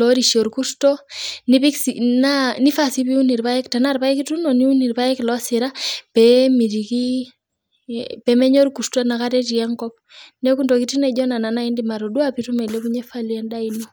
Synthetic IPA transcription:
lɔɾiʃɔ˨ɾku˦stɔ˦ni˦pi˦ksinani˦fa˨si˦pi˦u˦ni˨ɾpa˦jɛ˦kta˨naɾpa˦ɛkitunɔ˨niu˦ni˨ɾpa˦jɛklɔ˦sɪɾapɛmi˨ɾiki | pɛmɛ˦ɲɔ˦ɾkustwɔna˨kaɾɛti˨a˦ŋkɔ˦p̚ | nɛku˦ndɔ˨kiti˦nɛ˨d͡ʒɔna˨na˨na˦indima˨ɾɔ˨dwapitumɛ˨lɛ˦kuɲɛ˦falwɛ˦nda˦inɔ

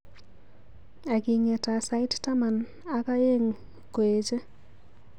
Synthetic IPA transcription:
a˨ɡi˨ŋɛ˨ta˨sa˨˦ɪ˦tta˦ma˨n | a˦ka˦je˦ŋ | ko˨e˨d͡ʒe˦

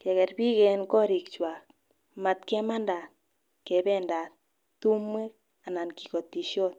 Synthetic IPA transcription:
kɛ˨kɛ˨rpi˦kɛ˨nkɔ˦ɾi˨kt͡ʃwa˨k | ma˨t̪kɛ˦ma˦nda˨t | kɛ˨bɛ˦nda˨t | tu˦mːe˦k̚ | a˨na˨nki̥˨ko˨t̪ːi˨ʃjɔ˦t̚

